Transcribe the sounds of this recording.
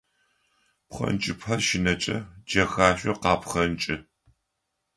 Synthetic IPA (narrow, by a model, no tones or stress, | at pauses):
pχɐ̰nt͡ʃʼɪpħɐrʃɪnɐt͡ʃʼɐd͡ʒɐxaːɕʷʼɔqɑːpχɐnt͡ʃʼɪ